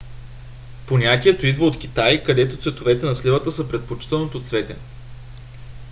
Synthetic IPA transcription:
ponʲat̪ʲiɛt̪oid̪vəot̪k̟ʲit̪ajkɐd̪ɛt̪ot̪svɛt̪ovɛt̪ɛnɐslivət̪əsəpɾɛt̪̚pot͡ʃi̥t̪ɛlˠnot̪ot̪svɛt̪ɛ̰

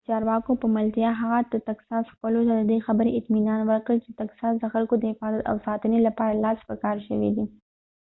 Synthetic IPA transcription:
t͡ʃɑɾwɑkopəmalt̪jaɦaɣad̪ət̪aksɑsxpəlot̪ad̪əd̪exabəɾeɪt̪minɑnwəɾkəlt͡ʃet̪aksɑsd̪əxalkod̪əhɪfɑzat̪a̰wsɑt̪ənelapɑɾalɑspəkɑɾʃə̰wḭd̪i

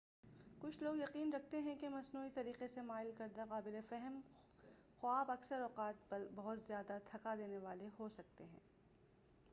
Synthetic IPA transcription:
kʊt͡ʃʰloːɡjɐqiːnɾɐk̚ʰt̪eɦɛ̃kemɐsnuːit̪ɐɾiːqesemaːɪlkɐɾd̪aqaːbɪlefɛɦɛm | xʊaːbɐksəɾɔːqaːt̪̚bɐɦʊt̪zjaːd̪at̪ʰɐkad̪eːneʋaːleɦosɐk̚t̪eɦɛ̰̃ː

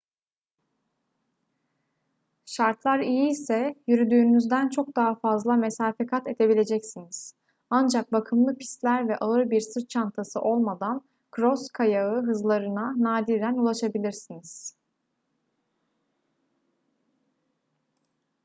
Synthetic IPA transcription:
ʃaɾt̪ʰlˠaɾijiːsɛjyɾyd̪yːnyzd̪ænt͡ʃʰo̞k̚d̪aɦafazlˠame̞saːfekʰat̪e̞d̪e̞bilʲe̞d͡ʒɛcsiniz̥ | and͡ʒak̚bakʰɯmlˠɯpʰi̥st̪lʲæɾvɛʔalˠɯɾbiɾsɯɾt͡ʃʰant̪ʰasɯʔo̞lˠmad̪an | kʰɾo̞skʰajaɯɦɯzlˠaɾɯnanaːd̪id̪ʲænulˠaʃabilʲiɾsiniz̥

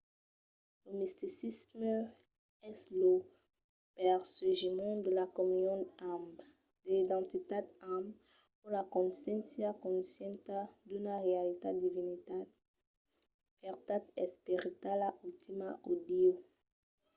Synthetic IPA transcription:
ləmist̪isismə | ɛslo | pɛʁseʒimɑ̃d̪əlakɔmynjɔ̃amb | d̪̥əlid̪ɑ̃t̪it̪ad̪am | pulakɔ̃nsjɛ̃nsjakɔ̃nsjɛ̃nt̪ad̪ynaʁealit̪ed̪ivinit̪a | pɛʁt̪at̪ɛspiʁit̪alaʔyt̪ʰimaʔod̪io

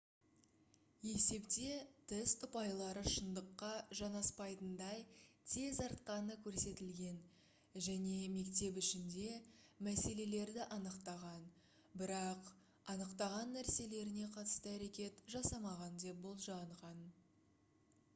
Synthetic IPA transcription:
e̞se̞pt̪e̞t̪ʰɪzt̪ʰʊpɑjlˠɑɾəʃənd̪əqːɑʒɑnɑspɑjt̪ənd̪ɑjt̪ʰe̞zɑɾt̪̚qɑnəkʲʰɵɾse̞t̪ɪlɡʲe̞n | ʒæne̞me̞kt̪e̞p̬ɪʃɪnd̪e̞mæse̞le̞le̞ɾd̪ɪʔɑnəqt̪ɑʁɑn | bɪɾɑq | ɑnəqt̪ɑʁɑnːæɾse̞le̞ɾɪne̞qʰɑt̪ə̥st̪əæɾe̞kʲe̞t̪ʒɑsɑmɑʁɑnd̪e̞p̚bo̞lˠʒɑɴʁɑn

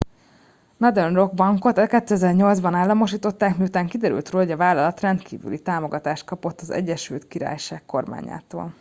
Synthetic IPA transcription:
nɒd̪ɛnro̞ɡ̚bɒŋko̞t̪ɛlkɛt̪ːyɛzɛrɲo̞ld̪zbɒnaːlːɒmo̞ʃiːt̪o̞t̪ːaːkmijut̪aːŋkid̪ɛɾy̰lt̪roːloɟɒvaːlɒlɒt̪rɛnt̪kḭːvy̰lḭt̪aːmo̞ɡɒt̪aːʃt̪̚kɒpo̞t̪ːɒzɛ̰ɟːɛʃy̰lt̪kiɾa̰ːjʃaːkko̞rma̰ːɲa̰ːt̪o̰ːl

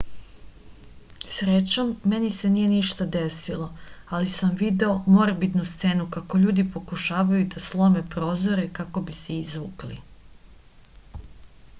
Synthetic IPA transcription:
sɾet͡ɕomːe̞nise̞nije̞niʃt̪ad̪esilˠo̞alisamʋid̪e̞omo̞ɾbid̪nust̪se̞ːnukako̞ʎuːd̪ipo̞kuʃaːʋajud̪aslˠo̞me̞pɾo̞ːzo̞ɾe̞kako̞biseizʋuːklḭ

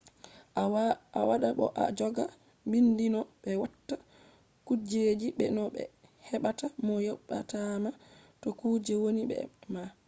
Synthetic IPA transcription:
a̰waɗaɓɔ̰ʔa̰d͡ʒɔɡa | mbindinɔɓɛwatːa | kud͡ʒed͡ʒiɓɛ̰nɔɓɛ̰hɛɓatamɔjɔɓːatamatɔkuːd͡ʒɛwoniɓɛ̰ma

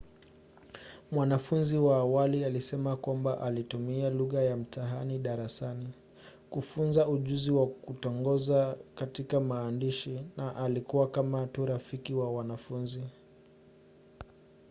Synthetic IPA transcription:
mwanafunziwaːwalialisɛmakwambaʔalitumialuɣajam̩taɦaniɗaɾasani | kufunzauʄuziwakutɔŋɡɔzakatikamaːndiʃinaʔalikuwakamatuɾafikiwawanafunzi

